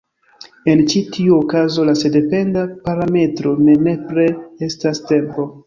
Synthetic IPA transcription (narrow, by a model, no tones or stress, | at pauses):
e̞nt͡ʃitʰiuokazo̞lase̞de̞pe̞ndapaɾame̞tɾo̞ne̞ne̞pɾe̞estaste̞mpo̞